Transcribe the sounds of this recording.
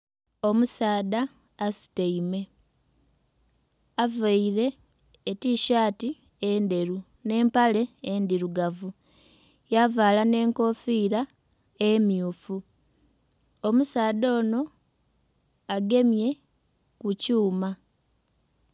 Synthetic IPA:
o̞musaːdaː | su̥teime̞ | avaiɾe̞ː | tiʃaːti | end̪e̞ɾu | ne̞ːmpale̞ːnd̪iɾuɡavu | javaːlane̞ːŋko̞fiɾa | emjuːfu | o̞musaːðo̞ːno̞ | aɡe̞mje̞ | kucuːma

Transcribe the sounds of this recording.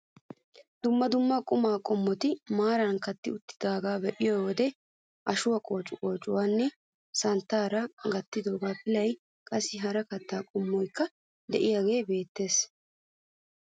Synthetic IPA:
d̪ʊmːɐd̪ʊmːaːkʼʊmaːkʼɔmːɔt̪ɪmaːɾɐnkɐt̪ːɪʊt̪ːɪd̪aːɡaːbɛʔɪjowɔd̪ɛ | ʔɐʃʊwɐkʼo̞ːt͡ʃʼʊkʼo̞ːt͡ʃʼʊwaːnːɛ | sɐnt̪ːaːɾɐɡɐt̪ːɪd̪o̞ːɡaːpɪlɐj | kʼɐsːɪɦɐɾɐkɐt̪ːaːkʼʊmːɔjkːɐ | d̪ɛʔɪjaːɡe̞ːbe̞ːt̪ːe̞ːs

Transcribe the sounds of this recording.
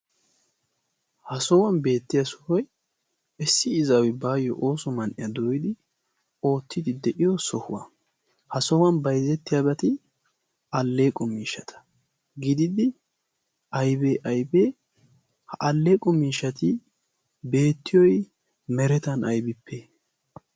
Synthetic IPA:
hɐsɔwɐnbe̞ːt̪ːɪjɐsɔ̥hɔj | ɛsːɪɪzɐwɪbaːjɔ̰ʔoːsɔmɐnʔɪ̰jɐd̪ojɪd̪ɪ | o̞ːt̪ʰːɪd̪ɪd̪ɛʔɪjɔsɔhʊwɐ̰ | hɐsɔwɐnbɐjzɛt̪ːɪjɐbɛt̪ɪ | ʔɐlːeːkʼɔmiːʃɐt̪ʰɐ̥ | ɡɪd̪ɪd̪ɪ | ʔɐjbeːʔɐjbeː | hɐʔɐlːeːkʼɔmiːʃɐt̪ɪ | be̞ːt̪ːɪjɔj | mɛɾɛt̪ɐnɐjbɪpːeː

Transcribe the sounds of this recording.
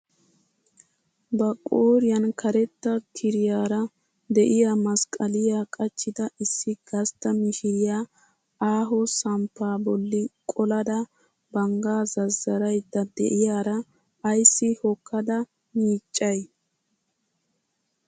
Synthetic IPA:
bɐkʼoːɾɪjɐnkʰɐɾɛt̪ːɐkʰɪɾɪjaːɾɐ | d̪ɛʔɪjamɐskʼɐlɪjakʼɐt͡ʃːɪd̪ɐɪsːɪɡ̥ɐst̪ːɐmɪʃɪɾɪja | aːɦɔsɐmpːaːbɔlːɪkʼɔlɐd̪ɐ | bɐŋɡaːzɐzːɐɾɐjd̪ːɐd̪ɛ̰ʔɪjaːɾɐ | ɐjsːɪhɔkːɐd̪ɐ | miːt͡ʃʼːɐj

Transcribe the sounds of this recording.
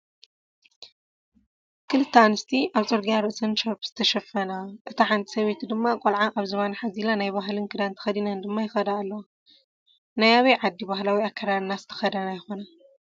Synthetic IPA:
kʰɨlɨt̪ʰːanɨst̪ʰiʔaβt͡sʼoɾɡijaɾɨʔsɐnʃɐpz̥ɨt̪ʰɐʃɐfɐnaʔɨt̪ʰaħant̪ʰʼi̥sɐβet̪ʰid̪ɨmːakʼolʕaʔaβzɨβanaħazilanajbaɦlɨnkʰɨd̪ant̪ʰɨ̥xɐd̪inand̪ɨmːajɪxɐd̪aːlːɐw | najaβɐjʕad̪ːiβahlawiakʰːɐɾaɾnazɨt̪ʰɐ̥xɐd̪ɐnajɪxo̞na

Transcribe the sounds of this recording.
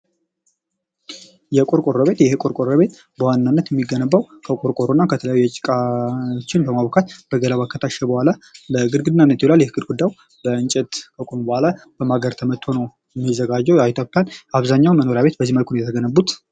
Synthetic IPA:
jɛkʼuɾkʼoɾəβe̞t̪jɛhɨkʼuɾkʼoɾːəβe̞t̪ | b̥əwannːanːət̪jɛmːiɡːənəbːawkʰəkʼoɾkʼoɾonːakʰət̪ʰələjajuat͡ʃʼɪkʼat͡ʃːɪnbəmaβəkʰat̪b̥əɡəlaβakʰːət̪ʰaʃɛbəhʷalaləɨɡɨɾɡɨd̪ɨnːanːət̪jolaljɛhɨɡɨd̪ɡud̪ːajw | bəɨnt͡ʃʼɛt̪kʰəkʷʼombəhʷalab̥əmaɡəɾt̪ʰəmət̪ʰːo̞nəw | jɛmːizːəɡad͡ʒːəwjait̪ʰjopʼːjanaβzaɲːawnməno̞ɾjaβe̞t̪bəzːiməlkʰunjɛt̪ʰəɡənəbːut̪

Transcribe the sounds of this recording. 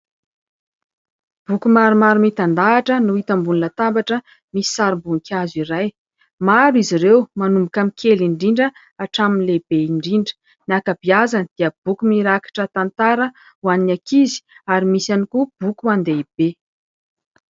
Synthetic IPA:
b̥ukumaɾumaɾumit̪and̪aːʈ͡ʂənuit̪ambunilat̪ambaʈ͡ʂə | misi̥saɾimbuŋikʰʲaziɾaj | maɾiziɾewmanumbukamikʰeliɳɖ͡ʐiɳɖ͡ʐə | aʈ͡ʂaminlebeiɳɖ͡ʐiɳɖ͡ʐə̥ | nakabiazanid̪̥iəb̥ukumiɾakḁʈ͡ʂət̪ant̪aɾə | waninakizi̥aɾimisanikub̥ukuand̪eib̥e

